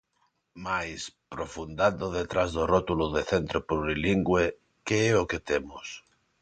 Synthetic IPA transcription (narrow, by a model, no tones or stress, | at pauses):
majspɾofund̪and̪oðet̪ɾazðorot̪uloðeθent̪ɾoporiliŋɡwe | keɛoket̪emʊs